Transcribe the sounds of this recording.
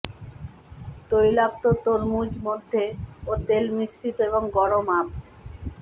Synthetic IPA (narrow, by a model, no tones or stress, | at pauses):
t̪ojlak̚t̪ot̪oɾmud͡ʑmod̪ʱːeot̪elmisʈit̪oeboŋɡɔɾomap̚